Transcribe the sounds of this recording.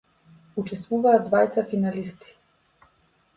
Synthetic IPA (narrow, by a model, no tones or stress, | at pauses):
ut͡ʃɛst̪vuvaːd̪vajt̪safinalist̪i̥